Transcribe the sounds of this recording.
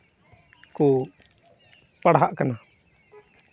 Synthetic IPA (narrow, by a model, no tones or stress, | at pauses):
ku | paɽɦaʔkana